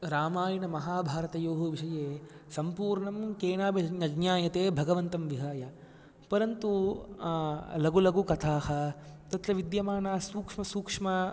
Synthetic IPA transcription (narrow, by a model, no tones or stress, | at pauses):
ɾaːmaːjinɐmɐɦaːbʱaːɾɐt̪ɐjoːɦɐʋiʂɐjeː | sɐmpuːɾɳɐmkeːnaːbɐɐd͡ʒnjaːjɐt̪eːbʱɐɡɐʋɐnt̪ɐmʋiɦaːjɐ | pɐɾɐnt̪u | lɐɡulɐɡukɐt̪ʰaːhɐt̪ɐt̪ɾɐʋid̪jɐmaːnaːsuːkʂmɐsuːkʂmɐ